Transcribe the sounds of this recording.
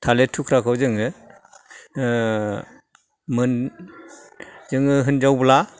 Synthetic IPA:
tʰaletʰukʰɾakʰɯwzɯŋɯ | mɯn | zɯŋɯɦɯnd͡ʒawbla

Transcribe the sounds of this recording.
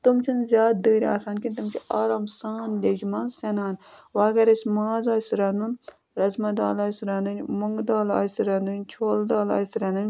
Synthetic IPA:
t̪umt͡ʃʰunzʲjaːt̪̚d̪əːɾʲa̰ːsaːnkʲinʲt̪umt͡ʃʰiʔaːɾaːmsaːnlʲed͡ʒmɐːnsɐnaːnʋaːɡɐɾɐsʲmaːzaːsɾɐnun | ɾɐzmɐd̪a̰ːlaːsɾɐnɨnʲmuŋɡd̪aːla̰ːsɾɐnunʲt͡ʃʰoːld̪aːla̰ːsɾɐnɨnʲ

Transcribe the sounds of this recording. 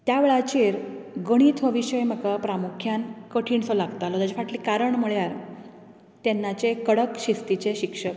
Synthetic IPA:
t̪jaʋeɭat͡ɕiːɾɡəɽ̃iːt̪ʋəʋiɕəjm̤əkapɾamukʰjankəʈʰiːɳsɔlaɡt̪alɔt̪at͡ɕifaʈliːkaɾəɳməɭjaɾ | t̪enːat͡sekəɽəkɕist̪it͡seɕikʂək

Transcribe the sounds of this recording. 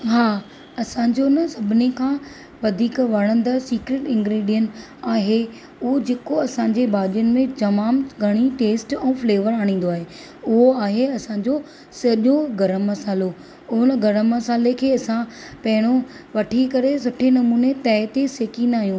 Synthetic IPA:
ɦaː | ɐsãːɲd͡ʑonəsɐbʱɪnekʰãː | ʋɐd̪ʱiːkʋɐɽ̃ə̃nd̪əsiːkɾeːʈɪ̃ŋɡɾeːɖijən | aːɦe | ʊɦod͡ʑeːkoɐsãɲd͡ʑebʱaːɗijənɪ̆mẽt̪ɐmaːmɡʱɐɽ̃iʈeːsʈɛ̃ːfleːʋəɾaːɽ̃ĩːn̆d̪oaːɦe | ʊɦoaːɦeɐsãːɲd͡ʑo | sɐʄoɡɐɾəmːɐsaːlo | ʊɦʊnəɡɐɾəmːɐsaːlekʰeːɐsãpɐɦɪɽ̃õ | ʋɐʈʰikɐɾesʊʈʰenɐmuːnet̪ɛːɦt̪eseːkĩnd̪aːɦijũː

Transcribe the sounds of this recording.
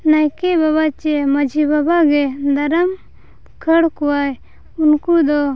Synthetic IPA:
najkɛbaβat͡ʃɛməd͡ʒʱibabaɡɛd̪aɾəm | kʰəɽkɔwaj | unkud̪ɔ

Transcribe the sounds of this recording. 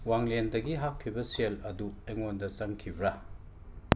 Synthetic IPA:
waŋlendɐɡiɦapkʰːibɐselɐdueŋondɐt͡ʃɐŋkʰibɾɐ

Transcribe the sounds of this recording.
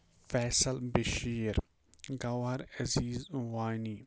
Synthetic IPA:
fɛːsɐlbɪʃiːɾ | ɡɐwɐɾɐziːzwaːjniː

